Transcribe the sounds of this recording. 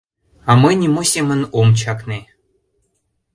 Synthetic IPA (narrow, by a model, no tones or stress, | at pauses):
ɑmɨnʲemosʲemə̆nomt͡ɕɑkne